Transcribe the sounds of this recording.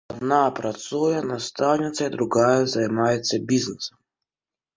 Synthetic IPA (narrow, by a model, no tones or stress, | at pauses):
ɐd̪napɾɐt̪sujɛnɐst̪awnʲɪt̪sʲɐid̪ɾʊɣajɛzɐjmajɛt͡sʲːɐbʲiznɪsɐm